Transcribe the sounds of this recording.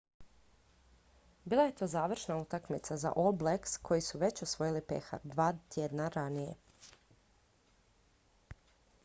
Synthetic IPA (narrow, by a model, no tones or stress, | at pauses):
biːlˠaje̞t̪o̞ːzaːʋr̩ʃnaut̪akmit̪saza̰ʔoblekskʰo̞jisuʋe̞t͡ɕosʋo̞jilipḛxa̰d̪ʋaːt̪jed̪naɾanije̞̰